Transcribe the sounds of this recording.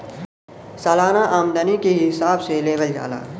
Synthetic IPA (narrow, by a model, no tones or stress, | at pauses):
saːlaːnaʔaːmd̪ənikeɦɪsaːbseleːbəld͡ʒa̰ːla̰ː